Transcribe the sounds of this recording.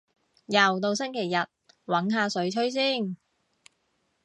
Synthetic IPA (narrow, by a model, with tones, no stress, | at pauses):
jɐ˨wt̪o˧wsɪ˥ŋkʰe˨˩jːɐ˨t̚ | wɐ˨˥nɦaː˧sɵ˨˥ɥt͡ʃʰɵ˥ɥs̬iː˥˩n